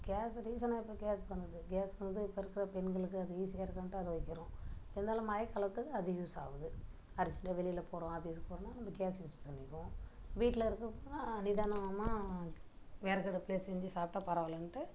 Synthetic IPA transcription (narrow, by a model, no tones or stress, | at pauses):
ɡeːsɾiːs̬ɐnaːɪpːoɡeːspɐnd̪ɐðɯɡeːsʋɐnd̪ɯɪpːoːɪɾɯkːɪɾɐpɛnɡɐɭɯkːɯɐðɯiːsɪjaːɾkːɐnʈːɯɐðɯʋɐɪkːɪɾʊ̃ɪðɐnd̪aːlɐ̃mɐːɐkːɐɭɐt̪ːɯkːɯɐðɯjuːsa̰ːʋɐðɯ | ɐɾɪt͡ʃːɐɳɖɐʋɛɭɪjɪlɐpoːɾõaːbijɐspoːɾɐ̃nːaːnɐmːɐɡeːsjuːsʈpɐɳːɪkːõː | ʋiːʈːlɐɪɾɯkːɐpoːnaːnɪðaːnɐmaː | ʋeːɾɐkɐɽɐpleːssɛɲd͡ʒɯsaːp̚ʈaːpɐɾɐʋɐlɐnʈːɯ